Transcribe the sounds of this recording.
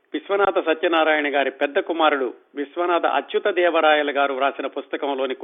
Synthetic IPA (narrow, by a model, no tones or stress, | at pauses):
ʋisʋɐnaːd̪ɐsɐt̪jɐnaːɾaːjɐɳɐɡaːɾipɛd̪ːɐkumaːɾuɽu | ʋisʋɐnaːd̪ɐ̰ʔɐ̰tjut̪ɐd̪ɛːʋɐɾaːjɐlɐɡaːɾuɾaːsinɐpust̪ɐkɐmlo̞ːni